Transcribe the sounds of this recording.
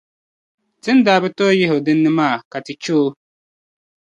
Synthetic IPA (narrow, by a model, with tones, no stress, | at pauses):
tɪ˦n˦daː˨bɪ˦tɔ˦jɪ˦ɦo˨dɪ˦nːɪ˦maː˦˨ka˨tɪ˨t͡ʃoː˦